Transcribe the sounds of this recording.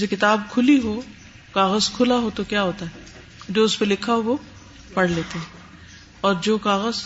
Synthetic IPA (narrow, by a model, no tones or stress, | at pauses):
sekɪt̪aːb̚kʰʊliɦo | kaːɣəzkʰʊlaɦot̪okjaɦoːt̪aɦɛ | d͡ʒoːʊspelɪkʰaɦoʋo | pɐɽleːt̪eɦɛ̃ː | ɔːɾd͡ʒoːkaːɣəz